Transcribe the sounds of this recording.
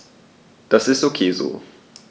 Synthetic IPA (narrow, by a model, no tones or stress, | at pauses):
d̪̥asɪsokʰezo̰